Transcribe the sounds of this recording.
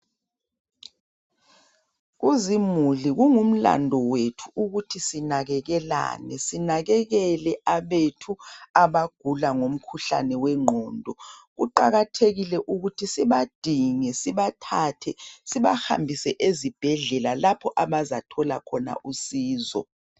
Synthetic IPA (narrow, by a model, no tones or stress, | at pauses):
ɣuzimuliɣuŋum̩la̰ndʱɔwetʰuuɣutʰisinaɣɛɣɛla̰nɛsinaɣɛɣɛlɛʔaβetʰuaβaɡ̥ʱulaŋom̩kʰuɬa̰nɛwɛŋ͡ǃʱɔːndʱɔɣuǃaɣatʰeɣilɛʔuɣutʰisiβad̥ʱiŋɛsiβatʰaːtʰɛsiβaha̰mbʱisɛʔezib̥ʱɛɮɛlalapʰɔʔaβazatʰɔlakʰɔna̰ʔusiːzɔ̰